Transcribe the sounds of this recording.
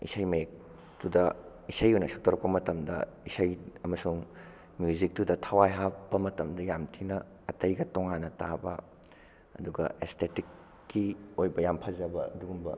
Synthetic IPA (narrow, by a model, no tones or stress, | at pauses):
ḭsɐjmɐek̚ | tudɐ | isɐjujnɐsʰok̚tʰowɾɐk̚pɐmɐtɐmdɐ̰isɐjɐmɐsuŋ | mjuzik̚tudɐtʰɐwajɦapbɐmɐtɐmdɐjamtʰinɐ | ɐtɐjɡɐtoŋanːɐtabɐ̰ | ɐ̰duɡɐ̰estʰetikː | iojbɐjampʰɐzɐbɐɐduɡumbɐ